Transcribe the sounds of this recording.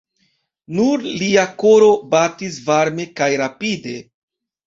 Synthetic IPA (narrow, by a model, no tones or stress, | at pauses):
nuɾliako̞ɾo̞batis̬vaɾme̞kajɾapide̞